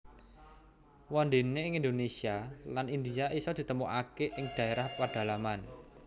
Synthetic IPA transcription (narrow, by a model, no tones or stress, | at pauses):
wɔnd̪e̤neɪŋind̪onesialanind̪iaʔisɔd̪̥i̤t̪əmuʔakeʔɪŋd̪̥a̤eɾahpaɖ̪̥a̤laman